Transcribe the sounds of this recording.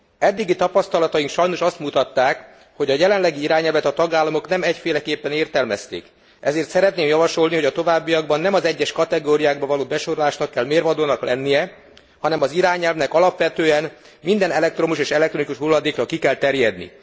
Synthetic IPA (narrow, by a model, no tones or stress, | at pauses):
ɛd̪ːiɡit̪ɒpɒst̪ɒlɒt̪ɒjiŋkʃɒjno̞ʃɒst̪mut̪ɒt̪ːaːk | ho̞ɟɒjɛlɛnlɛɡiiɾaːɲɛlvɛt̪ɒt̪ɒɡaːlːɒmo̞knɛmɛcfeːlɛkeːpːɛneːrt̪ɛlmɛst̪ḛːk | ɛzeːrt̪sɛɾɛt̪neːmjɒvɒʃo̞lniho̞ɟɒt̪o̞vaːbːijɒɡbɒnːɛmɒzɛɟːɛʃkɒt̪ɛɡoːɾijaːɡ̚bɒvɒloːbɛʃo̞ɾolaːʃnɒkːɛlmeːrvɒd̪oːnɒklɛnːijɛ | hɒnɛmɒziɾaːɲɛlvnɛkɒlɒpʋɛt̪øːɛn | mind̪ɛnɛlɛkt̪ro̞muʃeːʃɛlɛkt̪ronikuʃɦulːɒd̪eːkrɒkikɛlt̪ɛrjɛd̪nḭ